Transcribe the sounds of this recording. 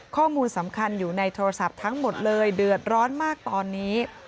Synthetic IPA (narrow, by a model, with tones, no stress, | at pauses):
kʰɔː˥˩muː˧nsa˩˦mkʰa˧njuː˨˩na˧jt̪ʰoː˧ɾa˧sa˨˩p̚t̪ʰa˦˥ŋmo˨˩t̪̚lɤː˧jdɯ˨˩ət̪̚ɾɔː˦˥nmaː˥˩k̚t̪ɔː˧nːiː˦˥